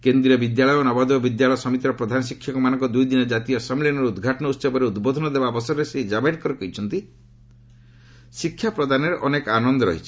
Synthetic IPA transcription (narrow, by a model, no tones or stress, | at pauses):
kend̪ɾiɔbid̪jalɔjɔnabad̪ɔɔbid̪jalɔjɔsɔmit̪ɾɔpɾɔd̪ʱanɔsikʰːjɔkɔmanɔŋkɔd̪ujd̪inɔd͡ʒat̪ijɔsɔmilinɔɾeud̪ɡʱaʈɔnɔut̪ːsɔbɔɾeud̪bod̪ʱɔnɔd̪ebabɔsɔɔɾesed͡ʒabaʈkɔɾekɔɦit͡ʃʰɔnt̪i | sikʰːjapɾɔd̪ʱaneɾeʔɔnekanɔnd̪ɔɾɔɦit͡ʃʰi̥